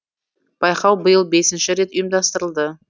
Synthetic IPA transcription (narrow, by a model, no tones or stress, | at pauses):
b̥ɑjqɑwbəjəlˠbe̞sɪnʃɪɾe̞t̪ʊjəmd̪ɑst̪əɾəlˠd̪ə